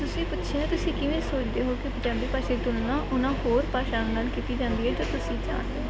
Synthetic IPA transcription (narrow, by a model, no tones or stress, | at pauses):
t̪ʊsĩːpʊtːʃʰeːẽt̪ʊsĩːkɪʋẽːsoːt͡ʃd̪eːɦoːkɪpət͡ʃãːmbiːpaːʃeːt̪ʊlnãːʔʊnãːɦoːɾpaːʃaːnːnaːlkiːt̪iːd͡ʒãːnd̪iːɦɛːt̪aːt̪ʊsĩːd͡ʒa̰ːnd̪eː